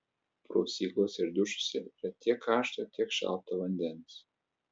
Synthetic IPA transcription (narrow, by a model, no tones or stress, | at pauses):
pɾoːsʲiːklˠoːsʲɪɾd̪ʊʃʊ̥sʲɛiɾɐt̪ʲiɛkʰːɑːʃt̪ɐt̪ʲiɛkʃɑ̰lˠpt̪ɐʋɐnʲd̪ʲɛns